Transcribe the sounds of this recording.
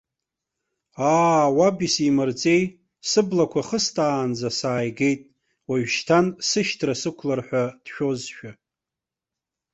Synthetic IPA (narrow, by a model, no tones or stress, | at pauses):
aːwabisimɨrt͡sʼe̞j | sɨblakʷʰaχəstʰʼaːnd͡zasaːjɡe̞jtʼ | waɥʃtʰansɨʃtʰrasɨkʷʰlarħʷᶣad̥ʃᶣo̞zʃᶣa